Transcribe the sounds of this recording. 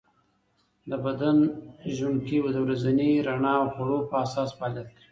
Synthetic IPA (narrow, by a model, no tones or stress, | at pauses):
d̪əbad̪anʒʊnkiwad̪əwɾazaniɾaɳɑawxʊɽopəasɑspalali̥